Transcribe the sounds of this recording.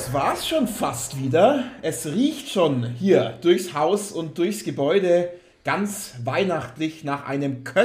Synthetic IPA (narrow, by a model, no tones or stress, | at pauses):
sv̥aːɐsʃoːnfastv̥iːdɐʔɛsʁiːçtʃoːnhiːɐd̥ʊɐçshaʊsʊnt̚d̥ʊɐçsɡ̥əbɔʏdə | ɡ̥ant͡svaɪnaχtlɪçnaːχʔa̰ɪnəmkʰœ